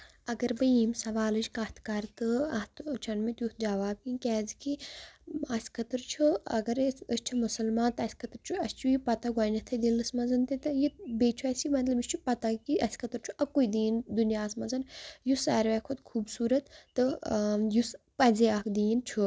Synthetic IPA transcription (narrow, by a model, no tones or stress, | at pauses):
ɐɡɐɾbɨjimsɐʋaːlɨt͡ʃkɐt̪ʰkɐɾt̪ɨɐht̪t͡ʃʰɐnmit̪ʲjut̪d͡ʒaʋaːb̚kinkʲɛːziki | ɐsʲkʰɐt̪ɨɾt͡ʃʰuɐ̰ɡɐɾəsʲt͡ʃʰumusɐlmaːnt̪ɐsʲkʰɐt̪ɾt͡ʃʰuɐst͡ʃʰujipɐt̪ɐɡaːnɐt̪ʰɐd̪ilɨsmɐzɐnt̪it̪ɨjibeːt͡ʃʰuɐsimɐt̪lɐbisʲt͡ʃʰupɐt̪akiɐsʲkʰɐt̪ɨɾt͡ʃʰuʔɐkːujd̪iːnd̪unjaːsmɐzɐnjusɐːɾʋɛkʰot̪kʰuːbsuːɾɐt̪ːɨjus | pɐzeɐkd̪iːnt͡ʃʰu